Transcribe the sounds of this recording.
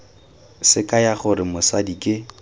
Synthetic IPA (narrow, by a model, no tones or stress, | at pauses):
sɪkʼajaχʊɾɪmʊsadikʼɪ